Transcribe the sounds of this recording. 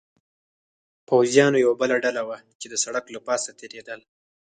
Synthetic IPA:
pawzjɑnojawabəlaɖalawat͡ʃed̪əsaɽaklapɑsat̪ʰeɾed̪əl

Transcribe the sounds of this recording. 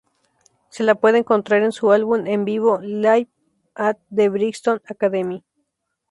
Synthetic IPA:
selapweðeŋkont̪ɾaɾensualβunembiβolajp | at̪̚d̪eβɾikst̪onakaðemi

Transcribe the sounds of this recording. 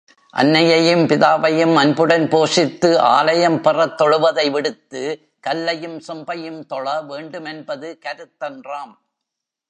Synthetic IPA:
ʔɐ̰nːɐjɐjɯmpɪðaːʋɐjɯmɐnbɯɽɐnpoːʂɪt̪ːɯʔa̰ːlɐjɐmpɪrɐt̪ːɔɻɯʋɐðɐɪʋɪɽɯt̪ːɯ | kɐlːɐjɯmsʊmbɐjɯmt̪ɔɻɐʋeːɳɖɯmɛnbɐðɯkɐɾɯt̪ːɐndraːm

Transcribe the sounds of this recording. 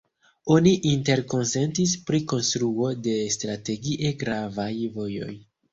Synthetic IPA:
o̞niʔinte̞ɾko̞nse̞ntispɾiko̞nstɾuo̞de̞stɾate̞ɡiʔeɡɾavajvo̞jo̞̰j

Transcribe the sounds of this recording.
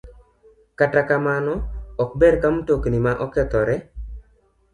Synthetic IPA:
katakamanɔɔk̚beɾkamutoknimaʔɔkɛt̪ɔɾɛ

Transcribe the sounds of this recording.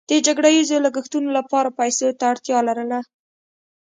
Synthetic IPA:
d̪̥əd͡ʒaɡɽajizolaɡəxt̪unolapɑɾapajsot̪aːɽt̪jɑlaɾəla

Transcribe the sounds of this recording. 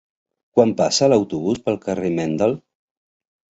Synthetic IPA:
kwampasələwt̪uβuspəlˠkəremɛnd̪əlˠ

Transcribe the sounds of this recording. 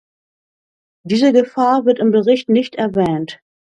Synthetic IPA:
d̥iːzəɡəfaːɐvɪɐtɪmbəʁɪçtnɪçtɛɐvɛːnt

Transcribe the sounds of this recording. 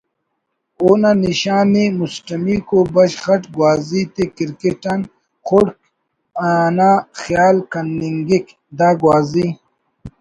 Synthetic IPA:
onaniɕaːnimusʈɐmikobɐɕχɐʈɡwaːzit̪ekiɾkeʈan | χoɽk | anaːxjaːlkɐnːiŋɡik | d̪aːɡwaːzi

